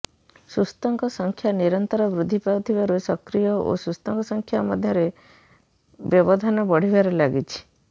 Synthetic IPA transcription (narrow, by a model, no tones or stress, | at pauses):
sust̪ɔŋkɔsɔŋkʰjaniɾɔnt̪ɔɾɔbɾud̪ʱːipawt̪ʰibaɾusɔkɾijɔo̰sust̪ɔŋkɔsɔŋkʰjamɔd̪ʱjɔɾe | bjɔbɔd̪ʱanɔbɔɽ̤ibaɾelaɡit͡ʃʰi̥